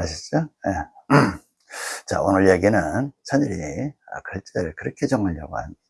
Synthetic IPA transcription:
aɕʰi̥t͡ɕ͈oje | t͡ɕa̰onɯɭjeɡinɯnt͡ɕʰaɲiɾiʌ̰kɯɭt͡ɕ͈eɯɭkɯɾʌkʰet͡ɕʌŋmaɭjʌɡo̰ɦa̰n

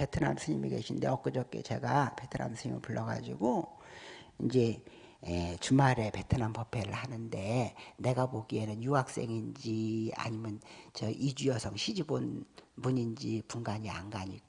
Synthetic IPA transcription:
pe̞tʰɯna̰msʰɯɲimḭɡe̞̰ɕʰinde̞ʌk͈ɯd͡ʑʌk̚k͈ḛt͡ɕe̞ɡape̞tʰɯna̰msʰɯɲimɯ̰ɭpuɭːʌɡa̰d͡ʑiɡo | ind͡ʑe̞ | et͡ɕumaɾe̞pe̞tʰɯnampʌpʰe̞ɾɯɭhanɯnde̞ne̞ɡaboɡie̞nɯnjuɦak̚s͈e̞ŋind͡ʑia̰ɲimjʌnt͡ɕʌʔid͡ʑujʌsʰʌŋɕʰid͡ʑibonpuɲind͡ʑipuŋɡaɲia̰ŋɡaɲik

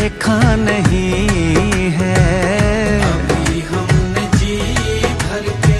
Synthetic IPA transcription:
eːkʰanɐɦĩ | ɦɛː | iɦɐmned͡ʒiːbɐɾe

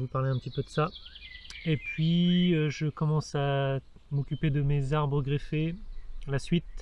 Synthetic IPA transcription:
vupaʁleɛ̃pət̪ipød̪əsa | epɥiøʒəkɔmɑ̃sa | mɔkʲyped̪əmezaʁbʁəɡʁefelasɥit̪̚

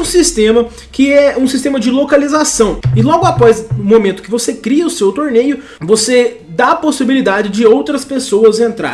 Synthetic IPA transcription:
ũsist̪ẽmɐ | kɪɛũsist̪ẽmɐd͡ʒɪlokalizasɐ̃w̃ɪlɔɡʊapɔzʊmõmẽnt̪ʊ̥kɪvosekɾiɐʊsewt̪oɾnejʊ | vose | d̪aposibilid̪ad͡ʒɪd͡ʒɪowt̪ɾɐspesowɐzẽnt̪ɾa̰ɾ

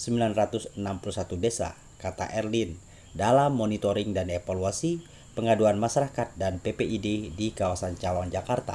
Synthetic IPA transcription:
səmbilanrat̪usənampulusat̪udesa̰ | kat̪a̰ʔɛrlin | dalamːonit̪oɾɪŋdanefaluasi | pəŋaduanmaʃaɾakat̪̚danpepeʔidedikawasant͡ʃawaŋd͡ʒakart̪a̰

